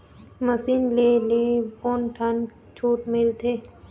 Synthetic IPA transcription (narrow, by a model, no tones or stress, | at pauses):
məsinleːleːponʈʰan | t͡ʃʰuːʈmɪlt̪ʰeː